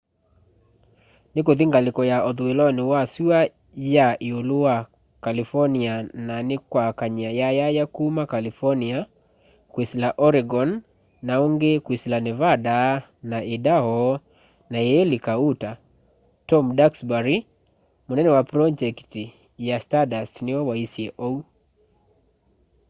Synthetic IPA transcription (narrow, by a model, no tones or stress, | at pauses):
nɪkoðiŋɡalɪkɔjaɔðuwelɔnɪwasiwa | jaʔiolua | kalifɔniananɪkwakaɲiajajajakumakalifɔnia | kwisilaʔɔɾiɡɔnː | auŋɡekwisilanɛvada | naʔidahɔ | najɛlikauta | tɔmdaksbaɾi | munɛnɛwapɾɔd͡ʒɛkti | jastadastniɔwaisiɛʔɔu